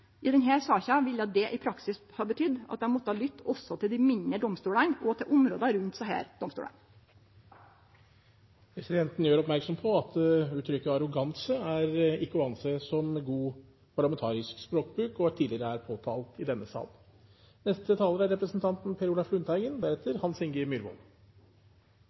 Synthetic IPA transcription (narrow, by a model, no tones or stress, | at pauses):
ʔɪd̪ɛnɦæːɾsɑːçɑʋɪljɑt̪̚d̪ɛʔɪpʰɾɑksɪshɑːɾbət̪ʰʏd̪ːɑ̰t̪̚d̪ɛmɔt̪ːəhɑːlʏt̪ːɔsːɔt̪ʰɪld̪ɪmɪɲəd̪ɔmst̪uːɽənɔt̪ʰɪɛlʔʊmɾo̰ːd̪ɑɾʉnt̪sæhæ̰ːɾd̪ɔmst̪ṵːʔə̰n | ɛsɪd̪ɛnt̪n̩jøːɾɔpmæɾksɔmpʰɔɑt̪ʉːt̪ʰɾʏkːəɑɾʊɡɑnsəæɾɪkːəʉɑnsəsɔmɡuː | pʰɑɾɭɑmɛnt̪ʰɑːɾɪskspɾoːkbɾʉːkɔæʈʰiːd̪ɪəɾəæɾpʰoːt̪ʰɑːlt̪ɪd̪ɛnːəsɑ̰ːl | nɛst̪ət̪ʰɑːləɾæɾɛpɾəsn̩t̪ʰɑnt̪npʰeːɾʊlɑflʉnt̪ʰæɪɡənd̪æɾɛt̪ːəɾhɑnsɪŋɡəmyɾbʊ̰n